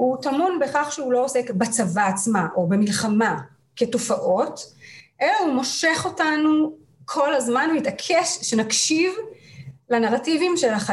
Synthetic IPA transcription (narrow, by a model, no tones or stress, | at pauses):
hutamunbeχaχʃeulo̞ose̞kbat͡savaːt͡smaʔo̞bemilχama | ke̞to̞faʔo̞tʔelahumo̞ʃe̞χo̞tanu | kʰo̞lazmanuitakʰeʃʃenakʃiv | lanaʁativimʃelaχa